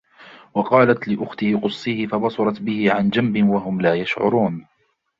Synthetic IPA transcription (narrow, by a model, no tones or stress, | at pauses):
wɑqɑːlat̪lɪʔʊxt̪ɪhɪqʊsˤːiːhɪfabɑsˤɑɾˤɑt̪bɪhɪʕand͡ʒambɪnwaɦʊmlaːjaʃʕʊ̰ɾuːn